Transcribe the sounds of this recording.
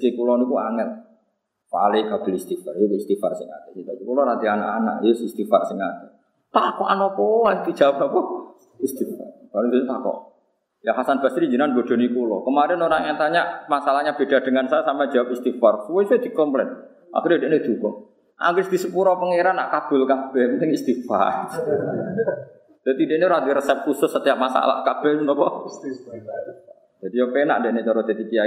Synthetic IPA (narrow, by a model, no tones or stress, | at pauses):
ikulɔnikua̰ŋɛt̪̚ | pa̰lɪkab̥ə̤list̪ifarjokist̪ifa̰rsɪŋa̰t̪ɛkit̪ak̪ukulɔɾat̪iana̰ʔana̰ʔjəsist̪ifarsiŋat̪i | t̪akɔʔanɔpɔwant̪u̥ʒ̥awap̚nɔpɔ | ist̪ifa̰rbalid̪utut̪akɔ̰ʔ | jaɦasanb̥ast̪iɾiɲd͡ʒənanbod̪̥ɔ̤nikulɔkəmaɾɛnoɾaŋat̪aɲaʔmasalahɲab̥ed̥a̤d̪̥əŋansaasampḁd͡ʒ̥a̤wap̚ist̪ifarsəwɔsuɛd̪̥i̤kɔmplɛt̪̚ | ʔa̰kɪɾdedeʔned̪̥ukɔ | ʔa̰ŋɡɪsd̪̥i̤səpuɾɔpəŋeɾanːaʔkab̥ʊ̤lkab̥ɛmlɛŋist̪ifa̰r | d̪̥at̪indeʔneoɾad̪iɾəsɛp̚kusʊsːət̪ijaʔmasa̰la̰hkab̥ɛmnɔpɔ | d͡ʒ̥ad̥̪ijɔpena̰ʔndeʔnet͡ʃɔɾɔd̪et̪ipia